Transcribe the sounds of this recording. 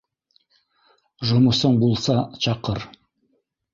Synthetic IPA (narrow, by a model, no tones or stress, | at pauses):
ʒŏmusɤɴbulˠsɑt͡ʃɑqɤɾ